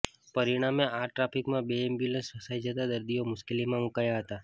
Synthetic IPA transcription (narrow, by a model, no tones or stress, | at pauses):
pəɾiɽ̃ameaɾʈɾafʰikmãbeːmbjuləsfəsajd͡ʒət̪ad̪əɾd̪iomʊʃkelimãmukaɭjaɦət̪a